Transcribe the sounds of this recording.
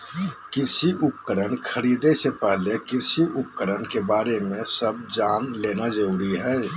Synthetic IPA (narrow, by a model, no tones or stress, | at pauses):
kɪsiʔʊp̚kəɾənkʰəɾiːd̪esepɛɦlekɪɾsiʔʊp̚kəɾənkebaːɾemẽsəb̚d͡ʒaːnleːnad͡ʒəɾuːɾiɦɛː